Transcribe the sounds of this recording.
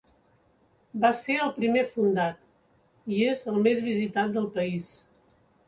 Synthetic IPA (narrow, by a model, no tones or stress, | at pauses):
baseɾəlˠpɾimefund̪at̪ | iezəlˠmezβizit̪at̪̚d̪əlˠpəis